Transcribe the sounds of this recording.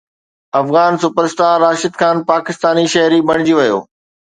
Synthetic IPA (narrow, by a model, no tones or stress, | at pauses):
ɐfɣaːnsʊpəɾsʈ̪aːɾːaːʃɪd̪xʰaːnpaːkɪst̪aːniʃɐɦɾibɐɽ̃d͡ʑiʋɐjo̰ː